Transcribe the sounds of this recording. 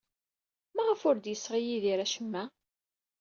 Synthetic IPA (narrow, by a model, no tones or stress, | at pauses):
mæʁəfʊɾd̪jəsːʁijiðiɾæʃəmːæ